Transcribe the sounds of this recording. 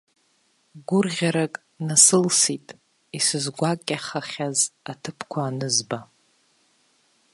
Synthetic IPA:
ɡʷʊrʁʲaɾakʼ | nasɨlsitʼ | isɨzɡʷakʲʼːaχaχʲazatʰɨpʰkʷʰaːnɨzba

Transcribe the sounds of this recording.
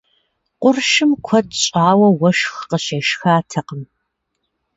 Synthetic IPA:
qʷʊrʃɪmkʷʰɔdɕʼaːwɐwɐʃxqəɕeːʃxaːtʰɐqəm

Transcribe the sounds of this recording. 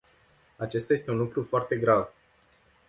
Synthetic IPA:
at͡ʃe̞st̪aje̞st̪unlukɾufoart̪e̞ɡɾav

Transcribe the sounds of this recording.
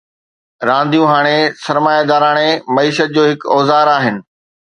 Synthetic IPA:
ɾãːnd̪ʱijũɦaːɽ̃esɐɾmaːjad̪aːɾaːɽ̃emɐiːʃət̪̚d͡ʑoːɦɪkɔːzaːɾaːɦɪnɪ̆

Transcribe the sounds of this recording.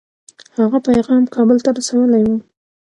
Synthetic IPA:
haɣapajɣɑmkɑbəlt̪aɾasawəlajwu

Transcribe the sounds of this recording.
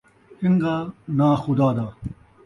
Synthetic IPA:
hɪŋɡ̪aːnaːxʊd̪aːd̪aː

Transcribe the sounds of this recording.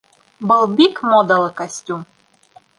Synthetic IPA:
bɤlˠbikmod̪əlɤ̆kasʲtʲum

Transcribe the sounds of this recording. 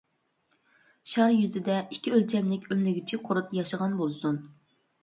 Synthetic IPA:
ʃɑɾjyzɪd̪ɛikʲʰːiølt͡ʃʰɛmlɪkʲømlɪɡʲit͡ʃʰiqʰʊɾut̪jɑʃəʁɑnbolˠsun

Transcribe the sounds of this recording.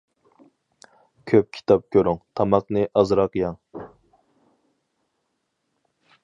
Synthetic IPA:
kʲʰøp̚kʲʰi̥t̪ʰɑp̚kʲʰøɾyŋt̪ʰɑmɑqnɨʔɑzɾɑqjɑŋ

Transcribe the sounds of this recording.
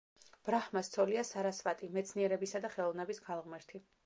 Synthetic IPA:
b̥ɾahmast̪sʰɔliasaɾasvat̪ʼimɛt̪sʰniɛɾɛbisad̪aχɛlˠɔvnɛbisɡalˠʁmɛɾt̪ʰi

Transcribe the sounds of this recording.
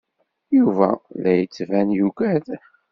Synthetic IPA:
juvæ̰læjət͡sːvænjukæð

